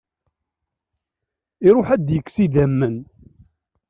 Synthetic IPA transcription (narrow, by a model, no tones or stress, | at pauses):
iɾˤʊħæd̪jəkːsiðæmːən